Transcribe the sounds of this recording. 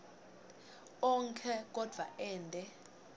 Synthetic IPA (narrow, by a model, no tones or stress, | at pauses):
ɔŋkʰɛk̬ʼɔd̥ʱwa̰ʔɛːndʼɛ